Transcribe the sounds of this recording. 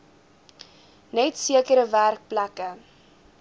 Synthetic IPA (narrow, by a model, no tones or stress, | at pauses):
nɛtsiəkəɾəværk̚plækə